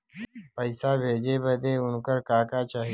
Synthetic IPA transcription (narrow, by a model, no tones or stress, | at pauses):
pəɪsaːbʱeːd͡ʒeːbəd̪eːʊnkəɾkaːkaːt͡ʃaːɦi